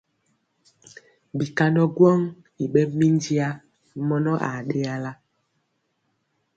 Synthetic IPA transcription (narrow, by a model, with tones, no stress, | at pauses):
bi˨ka˦nɔ˦ɡwɔ˦ŋ | i˨ɓɛ˦mi˦n˦d͡ʒi˦a˦ | mɔ˦nɔ˦ʔa˨ɗe˦a˦la˦